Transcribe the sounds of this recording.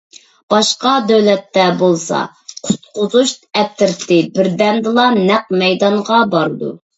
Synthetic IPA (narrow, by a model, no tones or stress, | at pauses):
b̥ɑʃqɑd̪ɛwlɛt̪ːɛbolˠsɑ̰ | qʰʊ̥t̪̚qʰʊzuʃɛp̚t̪ʰːɪɾt̪ʰɪbɪɾd̪ɛnd̪ɨlˠɑnɛqmɛjd̪ɑɴʁɑbɑɾɨd̪ṵ